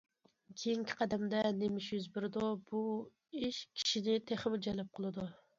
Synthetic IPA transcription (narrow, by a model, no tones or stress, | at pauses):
kʲʰejiŋkʲʰɪ̥qʰɑd̪ɛmd̪ɛnemɪʃjyzbɪɾɪd̪ubu | iʃkʲʰi̥ʃinɪt̪ʰeχɪmɪd͡ʒɛlɛp̚qʰəlˠɨd̪u